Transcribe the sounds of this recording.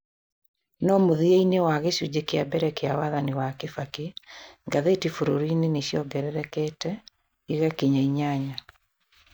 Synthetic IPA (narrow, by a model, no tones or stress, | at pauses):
nɔmoðiainewaɣeʃud͡ʑekeabɛɾɛkeawaðaniwakefakeŋɡaðetifoɾoɾiːneneɕjɔɡɛɾɛɾɛkɛːtɛ | iɣakeɲaiɲaɲa